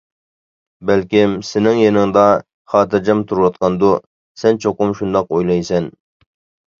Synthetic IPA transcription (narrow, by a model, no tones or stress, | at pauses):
bælkʲɪmsɪnɪŋjenɪŋd̪ɑ | χɑːt̪ɪɾd͡ʒɑmt̪ʰuɾwɑt̪̚qʰɑnd̪u | sɛnt͡ʃʰoqʊmʃund̪ɑqojlˠɑjsɛn